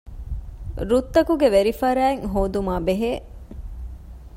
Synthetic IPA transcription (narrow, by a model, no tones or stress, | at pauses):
ɾut̪ːɐkuɡeʋeɾifɐɾæːeŋɦoːd̪umaːbeɦeː